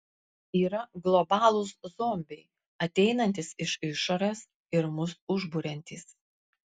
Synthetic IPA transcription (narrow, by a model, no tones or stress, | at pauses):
iːɾɐɡlˠɔbɑːlˠʊszomʲbʲɛɪ | ɐt̪ʲɛɪnɐnʲt̪ʲɪsɪʃɪʃoɾʲes | ɪɾmʊsʊʒbʊɾʲɛnʲt̪ʲiːs